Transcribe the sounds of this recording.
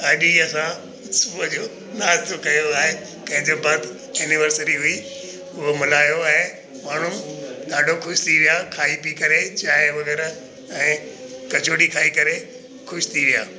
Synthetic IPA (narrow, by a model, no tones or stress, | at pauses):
ɐɗiɐsã | sʊbʱəd͡ʑoː | naːzt̪ʰokɐjoaːɦe | pɐ̃ɦɪ̃ɲd͡ʑebaːd̪ | ɛːnɪʋəɾsəɾiɦʊi | ʊɦomɪlaːjoaːɛ̃ɦe | maːn̤ʊmɗaːɖʱokʰʊʃt̪ʰiʋijakʰaːipikɐɾet͡ɕaːɦeʋɐɣɛːɾ | ɛ̃ːkɐd͡ʑʰoːɽikʰaːikɐɾe | kʰʊʃt̪ʰiʋija̰ː